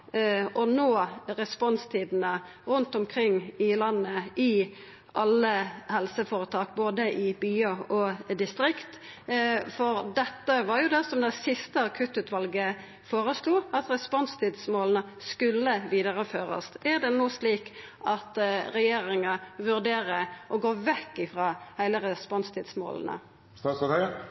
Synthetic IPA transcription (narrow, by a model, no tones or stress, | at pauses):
ɔnoːʁɛspɔnst̪ʰiːd̪n̩ə | ʁʉnt̪ɔmkʰɾɪŋːɪlɑnːəɪ | ʔɑlːəhɛlsəfoːɾət̪ʰɑːk̚boːd̪əʔɪbyːəɔd̪ɪst̪ɾɪkt̪ | fɔʁd̪ɛt̪ːəʋɑʁjʊd̪ɛsɔmd̪ɛsɪst̪əɑkʰʉt̪ːʉːt̪ʰʋɑlɡə | foːɾəsluːɑt̪ʁɛspɔnst̪ʰiːd̪smoːlnəskʉlːəʋiːd̪ɑʁəføːʁə̰st̪ʔæd̪ɛnuːsliːk | ʔɑt̪ɾɛjeːɾɪŋɑʋʉʁd̪eːʁəʔɔɡoːʋɛkːɪfʁɑːhæɪləɾɛspɔnst̪ʰɪːd̪smo̰ːl̰nə̰ | st̪ɑːs